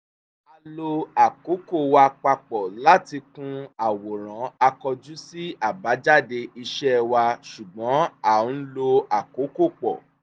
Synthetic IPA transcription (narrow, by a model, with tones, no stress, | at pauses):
a˧lo˧a˨ko˨˦ko˦˨wa˧k͡pa˧k͡pɔ˨la˦ti˧kũ˦a˨wo˨ɾ̃ã˨˦a˧kɔ˧d͡ʒu˦si˦a˦˨ba˨˦d͡ʒa˦˨de˧i˧ʃɛ˦wa˧ʃu˨ɡ͡bɔ̃˨˦a˨˦lo˧a˨ko˨˦ko˦˨k͡pɔ̰˨